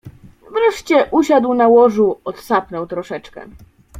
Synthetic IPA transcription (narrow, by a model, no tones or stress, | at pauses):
vɾɛʂt͡ɕɛʔuɕad̪wnawɔʐuɔt̪sapnɔwt̪ɾɔʂɛt͡ʂkɛ̰